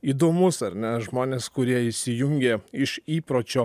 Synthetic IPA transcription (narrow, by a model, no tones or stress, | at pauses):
iːd̪oːmʊsɐɾʲnʲɛʒmoːnʲeːskʊɾʲiɛɪʃʲsʲɪjʊŋʲɡʲeɪʃiːpɾoːt͡ʃʲoː